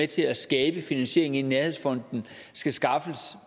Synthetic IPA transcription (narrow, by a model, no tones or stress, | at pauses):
et͡sʰe̝læsɡ̥ɛːb̥əfinænɕe̝ɐeŋ̩ineɐheðˠsfɒ̽n̰d̥n̩ | sɡ̥æsɡ̥ɑ̈fs